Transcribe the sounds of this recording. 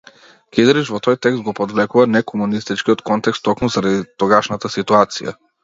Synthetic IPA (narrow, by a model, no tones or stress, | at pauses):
kid̪ɛɾit͡ʃvɔt̪ɔjt̪ɛkst̪̚ɡɔpɔd̪vlɛkuvanɛkɔmunist̪it͡ʃkiɔt̪kɔnt̪ɛkst̪ːɔkmuzaɾad̪it̪ɔɡaʃnat̪asit̪uat̪sḭja̰